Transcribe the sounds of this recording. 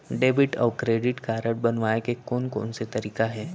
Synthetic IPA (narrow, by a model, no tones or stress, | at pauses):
ɖeːbɪʈɔ̰ːɾkɾeːɖɪʈkaːɾəɽbɐnʋaːekekɔːnkɔ̰ːnset̪ɐɾiːkaɦɛː